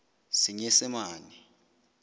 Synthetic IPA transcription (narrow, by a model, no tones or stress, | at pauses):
siɲɛsɛmaːni